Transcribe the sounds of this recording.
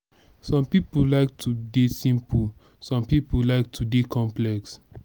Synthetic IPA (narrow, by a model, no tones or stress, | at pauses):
sɔ̃mpipulaɪk̚tʰudesĩmpu | sɔ̃mpipulaɪk̚tʰudekʰɔ̃mplɛks